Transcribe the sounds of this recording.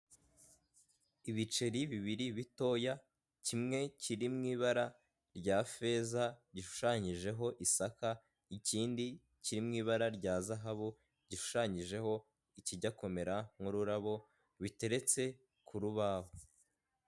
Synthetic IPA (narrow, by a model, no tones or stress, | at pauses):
iβit͡ʃe̞ɾiβiβiɾiβito̞ːja | cimŋe̞ciɾimŋiːβaɾa | ɾɟaːfe̞zaɟiʃu̥ʃaɲiʒe̞ɦo̞ʔisaka | iciːndi | ciɾimŋiːβaɾaɾɟaːzaɦaβu | ɟiʃu̥ʃaɲiʒe̞ɦo̞ | iciɟako̞me̞ɾaŋ̥uɾuɾaβo̞ | βite̞ɾe̞t͡se̞ | kʰuɾuβaho